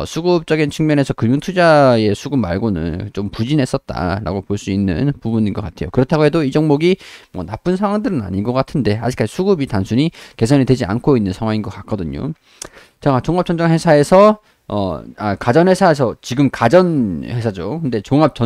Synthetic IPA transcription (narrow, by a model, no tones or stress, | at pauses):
sʰuɡɯp̚t͡ɕ͈ʌɡint͡ɕʰɯŋmjʌne̞sʰʌkɯmjuŋtʰud͡ʑae̞sʰuɡumːaɭɡonɯ̰nt͡ɕompud͡ʑinɦe̞s͈ʌt̚t͈a̰ɾa̰ɡopoɭs͈uinːɯ̰npubuɲinɡʌk͈atʰe̞jo̰kɯɾʌtʰaɡoɦe̞doid͡ʑʌŋmoɡimwʌ̰nap͈ɯnsʰaŋwaŋdɯɾɯna̰ɲinɡʌk͈atʰɯnde̞ad͡ʑik͈ad͡ʑisʰuɡubitansʰuɲike̞sʰʌnitwe̞d͡ʑia̰nkʰoinːɯnsʰaŋwaŋinɡʌkak͈ʰʌdɯɲo̰ | t͡ɕaat͡ɕoŋap̚t͡ɕ͈ʌnd͡ʑʌŋhe̞sʰae̞sʰʌ | ʌ̰akad͡ʑʌnhwesʰaes̬ʰʌt͡ɕiɡɯmkad͡ʑʌnhe̞sʰad͡ʑokɯnde̞t͡ɕoŋap̚t͡ɕʌ